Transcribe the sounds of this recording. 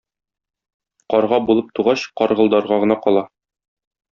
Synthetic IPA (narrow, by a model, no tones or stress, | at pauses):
qɒɾʁɑbulˠɤp̚t̪uʁɑɕqɒɾʁɤ̆lˠd̪ɑɾʁɑʁɤ̆nɑqɒlˠɑ